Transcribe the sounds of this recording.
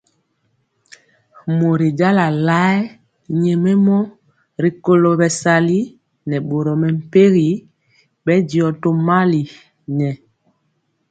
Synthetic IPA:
mo˨ɾi˨d͡ʒa˦la˨la˦ | ɲɛ˨mɛ˦mɔ˦ | ɾi˨ko˨lo˨bɛ˨sa˨li˦ | nɛ˨ɓo˨ɾɔ˨mɛ˨m̩˨pe˦ɣi˨ | ɓɛ˦di˨ɔ˨to˨ma˦li˨ | ɲɛ˨

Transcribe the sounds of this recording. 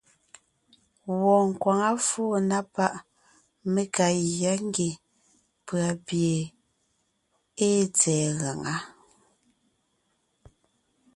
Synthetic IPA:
wɔ˨ŋ̩˨kwa˨ŋa˦fɔː˦˨na˦pa˦ʔ | me˦ka˨ɣja˦ŋ˦ɡe˨ | pɰa˨pje˨ | e˦t͡sɛː˨ɣa˨ŋa˦

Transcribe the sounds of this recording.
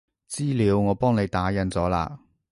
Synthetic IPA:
t͡siː˥liː˨˧wŋɔː˨˧pɔː˥ŋne˨˧jt̪aː˨˥jɐ˨˥nt͡sɔː˨˥la̰ː˧

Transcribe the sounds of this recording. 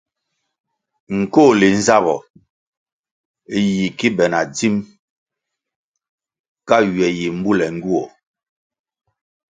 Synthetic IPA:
ŋ̩˨ko˦˨li˨n̩˦za˦bɔ˨˦ | ji˨ki˦bɛ˨na˨d͡zi˦m | ka˦ɥɛ˨ji˨m̩˦bu˦lɛ˨ŋ˦ɡu˦ɔ˨

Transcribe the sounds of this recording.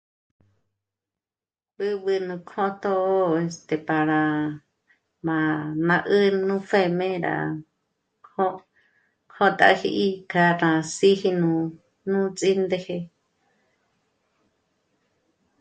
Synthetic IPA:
bɨ˦βɨ˧nũ˧kʰõ˦t̪o˦ʔe˧˨st̪e˨pa˨ɾã˨ | mã˨nã˧ʔɨ˦nũ˦fe˧mẽ˦ɾa̰˨ | ko˦ | kʰo˦t̪a̰˧hi˧ʔi˦ka˧nã˧si˦hi˧nũ˧ | nũ˦t͡sʼi˦nd̪e˧he˧

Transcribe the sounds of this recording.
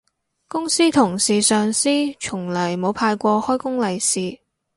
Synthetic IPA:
kʊ˥ŋsiː˥t̪ʰʊ˨˩ŋsiː˨sœː˨ŋsiː˥t͡ʃʰʊ˨˩ŋlɐ˨˩jmo˨˧wpʰaː˧jkʷɔː˧hɔː˥jkʊ˥ŋlɐ˨jsiː˨

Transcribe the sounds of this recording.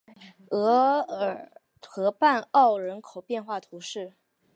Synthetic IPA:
ɤ˧˥ə˨˩ | xɤ˧˥pa˥˧nɑ˥˩ʊɻə˧˥nkʰo˨˩ʊpjɛ˥˧nxwa˥˩t̪ʰu˧˥ʂɻ̩˥˩

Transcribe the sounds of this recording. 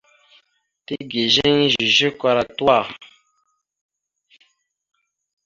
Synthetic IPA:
te˦ɡe˨ʒɛ˦ŋ˦ʒi˨ʒi˦kwa˨˧ɾa˨twa˦˨

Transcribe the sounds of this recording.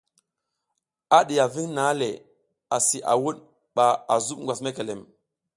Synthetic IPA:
a˦ɗi˨ja˨vi˦ŋna˦le˨ | a˨si˨ʔa̰˨wu˦ɗ | ɓa˨a˨zu˦ɓŋɡʷwa˨sme˦ke˨le˨m

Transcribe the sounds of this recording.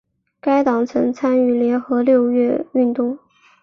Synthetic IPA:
ka˥ɪt̪ɑ˨˩ŋt͡sʰɤ˧˥ŋt͡sʰa˥ny˥˩ljɛ˧˥nxɤ˧˥ljo˥˧ʊɥɛ˥˧y˥˧nt̪ʊ˥˩ŋ

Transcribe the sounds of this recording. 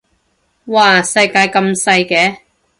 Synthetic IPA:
waː˧sɐ˧jkaː˧jkɐ˧msɐ˧jkɛː˨˥˦

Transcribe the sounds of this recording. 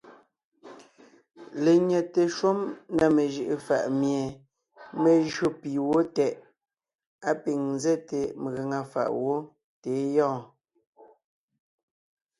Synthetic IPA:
le˨ɲɛ˨te˨ʃo˦mna˨me˨ʒɯ˦˨ʔe˦fa˨ʔmje˨ | me˨ʒɰo˦pi˨wo˦tɛ˨ʔ | a˦pi˨ŋn˦zɛ˦te˨m˨ɣe˨ŋa˨fa̰˨ʔwo˦ | te˨˦jɔ̃ː˦˨

